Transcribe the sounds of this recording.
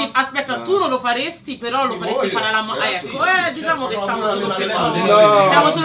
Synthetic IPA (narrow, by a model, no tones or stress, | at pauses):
iaspɛt̪ːat̪unolːofaɾest̪ipeɾɔlofaɾest̪ifaɾalamaʔɛkːoɛd̪it͡ʃaːmokesamosamoaeoːnejamosol